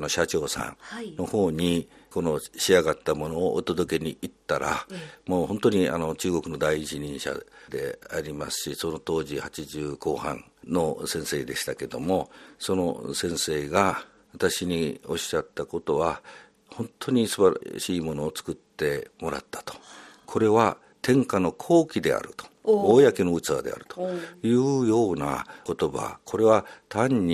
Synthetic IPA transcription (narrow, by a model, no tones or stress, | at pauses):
no̞ɕat͡ɕo̞ːsã̰nno̞ho̞ːɲ̟iko̞no̞ɕiaɡat̪ːamo̞no̞ːʔot̪o̞d̪oke̞ɲ̟iit̪ːaɾamoːhõ̞nt̪o̞ɲ̟ia̰no̞t͡ɕɨːɡo̞kɯ̟no̞d̪aiːt͡ɕiɲ̟ĩɰ̃ɕa̰d̪e̞̰aɾʲimasɨ̥ɕiso̞no̞t̪o̞ːʑihat͡ɕiʑɨːko̞ːhã̰n | no̞sẽɰ̃se̞ːd̪e̞ɕi̥t̪ake̞d̪o̞̰mo̞so̞no̞̰sẽ̞ɰ̃se̞ːɡa | βat̪aɕiɲ̟io̞ɕat̪ːako̞t̪o̞βa | hõ̞nt̪ʰo̞ɲ̟isɨbaɾa̰ɕiːmo̞no̞ːt͡sɨ̥kɯ̟t̪ːe̞mo̞ɾa̰t̪ːḁt̪o̥kʰo̞ɾe̞βa | t̪ẽ̞ŋkano̞kʰo̞ːkʲid̪e̞̰a̰ɾɯ̟t̪o̥oːjakeno̞ɯ̟t͡sad̪e̞̰a̰ɾɯ̟̥t̪ojɯ̟ːjo̞ːna̰ko̞t̪o̞ba̰kʰo̞ɾe̞βat̪ʰãɲ̟ːi